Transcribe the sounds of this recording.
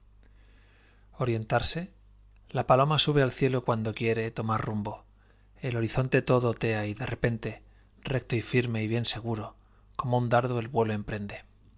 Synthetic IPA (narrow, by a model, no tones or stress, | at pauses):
o̞ɾje̞nt̪aɾse̞ | lapalo̞masuβe̞alθje̞lo̞kwand̪o̞kje̞ɾe̞t̪o̞marrumbo̞ | e̞lo̞ɾiθo̞nt̪e̞t̪o̞ðo̞t̪e̞aiðe̞re̞pe̞nt̪e̞ | re̞k̚t̪o̞ifiɾme̞iβje̞nse̞ɣ̞uɾo̞ | ko̞mound̪aɾðoe̞lβwe̞lo̞e̞mpɾe̞nd̪e̞